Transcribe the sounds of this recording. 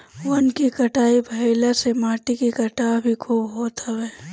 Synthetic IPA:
ʋɐnkikɐʈaːibʱɐɪlasemaːʈikikɐʈaːbʱikʰobɦoːt̪aʋɛː

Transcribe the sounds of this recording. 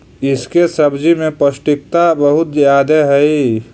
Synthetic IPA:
ɪskesəbd͡ʒimẽpəsʈɪk̚t̪abəɦʊt̪zjaːd̪eɦɛi

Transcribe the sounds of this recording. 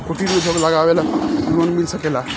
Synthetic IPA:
koʈiɾmed͡ʒʱoɡləɡabelanonmilsəkela

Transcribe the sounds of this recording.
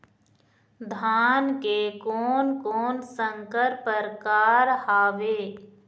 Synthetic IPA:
d̪ʱaːnkekoːnkoːnsə̃ŋkəɾpəɾkaːɾhaːʋeː

